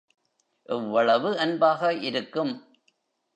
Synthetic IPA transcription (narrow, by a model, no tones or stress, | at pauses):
ʔɪʋːɐɭɐʋɯɐnbaːɣɐʔɪɾɯkːɯm